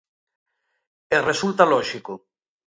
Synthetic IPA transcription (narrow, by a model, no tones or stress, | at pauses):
eresult̪alɔʃiko